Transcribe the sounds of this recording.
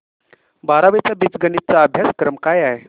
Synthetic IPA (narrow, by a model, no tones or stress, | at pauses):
baɾaʋet͡sabit͡sɡənit̪̚t͡saəbʱjaskɾəmkajaɦe